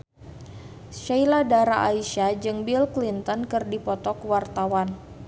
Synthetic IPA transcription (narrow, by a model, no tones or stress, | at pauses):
ʃajladaɾa̰ʔaiʃad͡ʒɨŋbilklint̪ɔnkɨrdipɔt̪ɔkwart̪awan